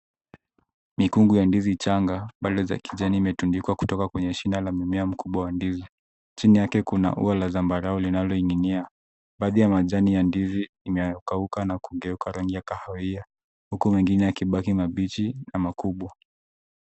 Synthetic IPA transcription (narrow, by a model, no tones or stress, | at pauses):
mikuŋɡujandizit͡ʃaŋɡaɓaɗɔza̰kiʄaniːmɛtundikwaku̥tɔkakwɛɲɛʃinalamimɛam̩kuɓwawandizi | t͡ʃinijakɛkuna̰ʔṵalazambaɾaɔlinalɔiŋɡinia | ɓaːðijamaʄanijandiziːmɛjɔkaukanakuŋɡɛukaɾaŋɡijakahaia | hukumwiŋɡinɛakiɓakimaɓitinamakuɓwa